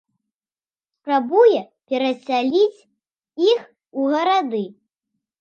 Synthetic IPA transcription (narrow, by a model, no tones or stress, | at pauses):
spɾabujɛ | pʲɛɾɐsʲalʲit͡sʲ | ix | uɣɐɾad̪ɨ